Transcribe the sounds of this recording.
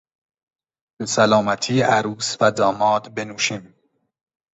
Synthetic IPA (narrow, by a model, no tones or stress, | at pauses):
b̥esælɒːmæt̪ʰiːʔæɾuːsvæd̪ɒːmɒːd̪benuːʃim